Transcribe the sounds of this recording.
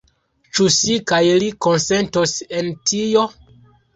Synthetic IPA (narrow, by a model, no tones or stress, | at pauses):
t͡ʃusikajliko̞nse̞ntose̞ntʰijo̞